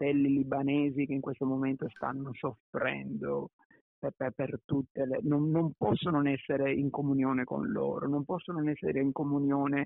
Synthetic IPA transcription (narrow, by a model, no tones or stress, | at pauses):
t̪ɛlːilibaneːzik̟eiŋkwest̪omoment̪ost̪a̰nːosofɾɛ̰nd̪o | ɛpɛpert̪ut̪ːelenonːompɔsːonoɛsːeɾeiŋkomunjoːneko̰nlo̰ːɾonompɔsːonoɛsːḛɾeiŋkomunjoːne